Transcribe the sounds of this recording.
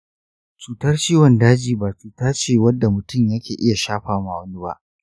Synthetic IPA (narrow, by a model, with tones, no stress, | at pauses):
t͡ʃuː˨tɐ˦rt͡ʃiː˦wɔ˨ndaː˦d͡ʒiː˨baː˨t͡ʃuː˨taː˦t͡ʃeː˦˨wɐ˦dːa˨mʊ˨tʊ˦˨mjɐ˦kʲeː˨ʔɪ˦ja˨ʃaː˦ɸaː˨maː˨wɐ˦ni˦ba̰˦ʔ